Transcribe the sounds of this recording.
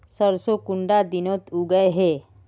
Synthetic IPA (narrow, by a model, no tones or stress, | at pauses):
səɾsokʊɳɖad̪ɪnot̪uɡəeɦe